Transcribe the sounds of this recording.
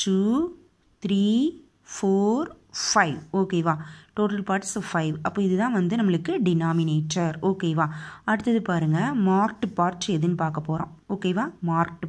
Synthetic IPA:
ʈuː | t̪ɾiː | foːɾfɐɪʋoːkeːʋãːʈoːʈɐlpaːɾʈsɐfɐɪʋɐpːoːɪðɯt̪ãːʋɐnd̪ɯnɐmːɐɭɯkːɯɖɪnaːmɪneːʈːɐɾoːkeːʋãːɐɽɯt̪ːɐðɯpaːɾɯŋɡɐmaːɾk̚ʈpaːɾt͡ʃːɛðɯnːɯpaːɾkɐpːoːɾõ̰ːoːkeːʋãːmaːɾk̚ʈ

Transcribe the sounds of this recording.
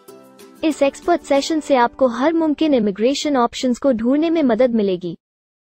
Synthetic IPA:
ɪsɛːkspəɾʈsɛːʃənseaːp̚koɦɐɾmʊmkɪnɪmɪɡɾeːʃənɔːpʃənzkoɖʱuːɽnemẽmɐd̪əd̪mɪleːɡiː

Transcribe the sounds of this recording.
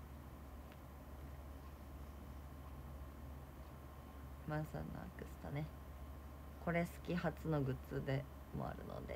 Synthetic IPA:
mãɰ̃sa̰nːa̰a̰kɯ̟sɨ̥t̪ane̞ | ko̞ɾe̞sɨ̥kʲihat͡sɨno̞ɡɯ̟t͡sɨd̪e̞ | mo̰a̰ɾɯ̟no̰d̪e

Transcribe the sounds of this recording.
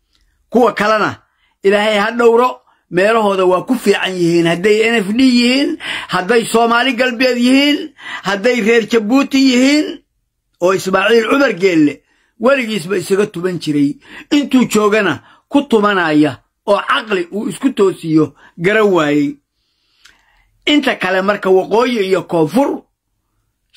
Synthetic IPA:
kʰʊwɑkʰɐlɛnɐ̰ | ʔɪlaːhɛjhɐɖɔwɾɔ | mɛːlɐɦɔːðɐwɑːkʰʊfiːʕɑnjɪhiːnhɐd̪ɛjɛnɛfnijɪhiːnhɐd̪ɛjsɔːmaːlɪɡɐlbɪɛːd̪jɪhiːnhɐd̪ɛjrɛːrt͡ʃɐbuːt̪ʰɪjɪhiːn | ɔːɪsmaːʕiːlʕʊβɐrɡɛːlːɛ | wɐlɪɣiːs̬bɐɪsɐɣɐt̪ʊβɐnt͡ʃɪɾɛjɪnt̪uːt͡ʃɔːɣɐnɐ | kʰʊt̪ʊmɐnaːjɐ | ɔːʕɑqlɪʔuːɪskʰʊt̪ʰɔːsɪjɔ | ɡɐɾɐŋwaːjɛj | ʔɪnt̪ʰɐkʰɐlɛmɐrkʰɐwɑqɔːjɪijɔkʰɔːfʊr

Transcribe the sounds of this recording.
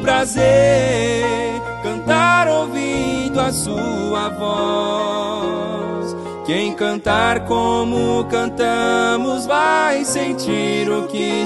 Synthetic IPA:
pɾaze | ɾ | kɐ̃nt̪aɾowvid̪ʊasuɐvɔ | s | kẽj̃kɐ̃nt̪aɾkomʊkɐ̃nt̪ɐmʊzvajsẽt͡ʃiɾʊkɪ

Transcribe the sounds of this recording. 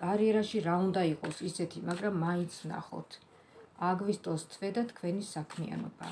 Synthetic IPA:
kʼaɾiɛɾaʃiɾaund̪aiqʼɔsisɛt̪ʰimaɡɾamːaint̪sʰvna̰χɔ̰t̪ʰ | aɡvist̪ʼɔst̪ʰvɛd̪at̪ʰkʰvɛnisakʰmia̰nɔ̰ba̰

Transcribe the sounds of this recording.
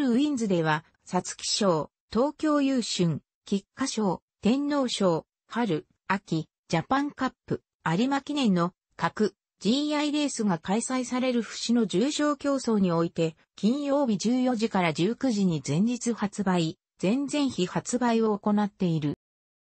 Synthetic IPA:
ɾɯ̟ɯ̟ĩnd͡zɨd̪e̞β̞a | sat͡sɨ̥kʲi̥ɕo̞ː | t̪o̞ːkʲo̞ːjɯːɕɨ̃ŋ | kʲikːaɕo̞ː | t̪ẽ̞nːo̞ːɕo̞ː | ɸaɾɯ̟ | akʲi | d͡ʑapãŋkapːɯ̟ | aɾʲimakʲinẽ̞nːo̞ | kakɯ̟ | d͡ʑiaiɾe̞ːsɨɡakaisaisaɾe̞ɾɯ̟ɸɯ̟̥ɕino̞d͡ʑɨːɕo̞ːkʲo̞ːso̞ːɲ̟io̞it̪e̞ | kʲĩɰ̃jo̞ːbʲid͡ʑɨːjo̞ʑikaɾad͡ʑɨːkɯ̟ʑiɲ̟izẽ̞ɲ̟d͡ʑit͡sɨhat͡sɨbai | d͡z̥ẽ̞nd͡zẽ̞ɰ̃çihat͡sɨbaio̞oko̞nat̪ːe̞iɾɯ̟

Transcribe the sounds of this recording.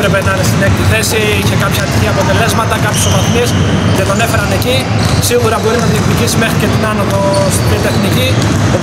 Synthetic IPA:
pɾe̞pe̞nɐnest̪inekt̪iθe̞si | içe̞kɐpçɐɾiθiɐpo̞t̪e̞le̞zmɐt̪ɐkɐpçisovɐθmis | ce̞t̪o̞ne̞fe̞ɾɐne̞ci | siɣuɾɐbo̞ɾinɐðiet̪uɾʝisime̞xɾice̞t̪inɐnovost̪imit̪e̞xnici | o

